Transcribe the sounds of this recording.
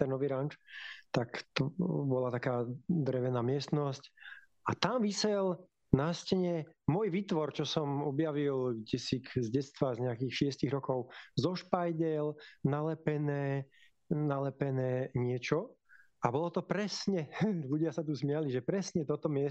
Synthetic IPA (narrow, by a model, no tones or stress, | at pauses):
t̪ɛnnɔʋiɾant͡ʃt̪akt̪ɔbɔlat̪akaːd̪ɾɛʋɛnaːmɪɛst̪nɔsc | ʔat̪amʋisɛl | nascɛɲɛmʊɔjʋiːt̪ʋɔɾt͡ʃɔsɔmɔbjaʋilɡɟɛsikzɟɛtst̪ʋazɲɛakixʃɪɛsciɣɾɔkɔʊzɔʃpajɟɛlnalɛpɛnɛː | nalɛpɛnɛːɲɪɛt͡ʃɔ | abɔlɔt̪ɔpɾɛsɲɛʎuɟɪasat̪uzmɪaliʒɛpɾɛsɲɛt̪ɔt̪ɔmɪɛ